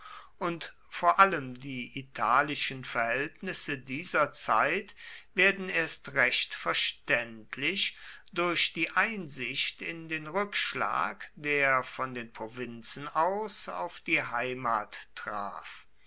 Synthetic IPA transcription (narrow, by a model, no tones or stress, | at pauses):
ʔʊnt | foːɐʔaləmdiːʔitʰaːlɪʃənfɛɐhɛltnɪsədiːzɐt͡sa̰ɪtv̥eːɐdn̩eːɐstʁɛɕtfɛɐʃtɛntʰlɪʃd̥ʊɐʃd̥iːʔaɪnzɪçtɪndeːnʁʏkʃla̰ːkd̥eːɐfɔndeːnpʁ̥ovɪnt͡sn̩aʊsa̰ʊfd̥iːɦaɪmaːtːʁ̥a̰ːf